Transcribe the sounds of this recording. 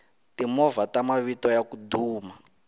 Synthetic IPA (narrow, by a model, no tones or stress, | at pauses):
timɔvatamaβitɔjakuduːma